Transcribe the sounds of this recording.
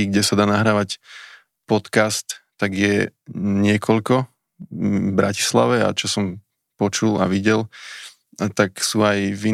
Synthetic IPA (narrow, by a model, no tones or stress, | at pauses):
iɡɟɛsad̪aːnaɦɾaːʋac | pɔt̪kast̪ːaɡjɛɲɪɛkʰɔʎkɔ | bɾaci̥sla̰ʋɛa̰t͡ʃɔsɔm | pɔt͡ʃula̰ʋiɟɛl | t̪aksuːajʋi